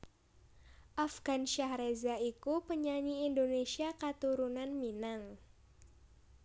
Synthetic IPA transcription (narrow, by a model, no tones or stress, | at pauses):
ʔafɡanʃahɾezaikupəɲaɲiːndonesiakat̪uɾunanminaŋ